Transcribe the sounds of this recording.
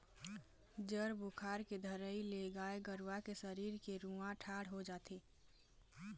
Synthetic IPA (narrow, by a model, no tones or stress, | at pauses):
d͡ʒəɾbʊkʰaːɾked̪ʱəɾəileɡaːeɡəɾwakesəɾiːɾkeɾũãʈʰaːɽɦod͡ʒaːt̪eː